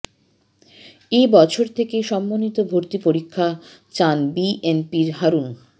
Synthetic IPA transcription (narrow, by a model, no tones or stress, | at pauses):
ebɔt͡ɕʰoɾt̪ʰekeʃɔmːonit̪obʱoɾt̪ipoɾikʰːa | t͡ɕanbiʔenpiɾɦaɾun